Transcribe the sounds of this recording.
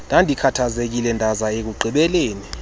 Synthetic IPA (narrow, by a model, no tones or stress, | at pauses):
nd̥ʱandʱikʰatʰazek̬ilɛndʱazaek̬uǃʱiɓɛleːni